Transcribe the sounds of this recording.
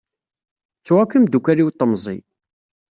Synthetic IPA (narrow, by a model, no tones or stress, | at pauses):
t͡sːwakːəmd̪ukʷːæɾiwt̪ˤːəmzˤḭ